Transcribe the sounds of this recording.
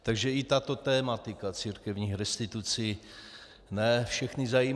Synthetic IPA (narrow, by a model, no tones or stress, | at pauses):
t̪aɡʒɛɪt̪at̪o̞t̪ɛːmat̪ɪkat͡siːɾkɛvɲiːxɾɛst̪ɪt̪ut͡si | nɛfʃɛxnɪzaji